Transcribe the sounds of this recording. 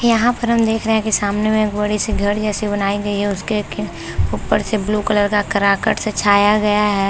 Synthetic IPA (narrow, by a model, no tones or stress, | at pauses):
jɐɦãpɐɾɦɐmd̪eːkʰɾɐɦɛ̃kesaːmnemẽeːkbɐɽisiɡʱɐɾd͡ʒɛːsibɐnaːiɡɐiɦɛʊskek | uːpːəɾsebluːkɐləɾkakɐɾaːkəʈsɐt͡ʃʰaːjaɡɐjaɦɛː